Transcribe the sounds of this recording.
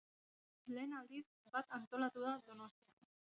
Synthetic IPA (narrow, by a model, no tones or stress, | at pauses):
le̞ːnald̪is | bat̪ant̪o̞lat̪uðaðo̞no̞st̪ia